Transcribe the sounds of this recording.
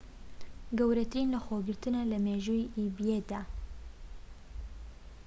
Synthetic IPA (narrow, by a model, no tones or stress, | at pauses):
ɡɐwɾɐt̪ɨɾinlɐxoɡɨɾt̪ɨnɐlɐmeʒuiʔibijed̪aː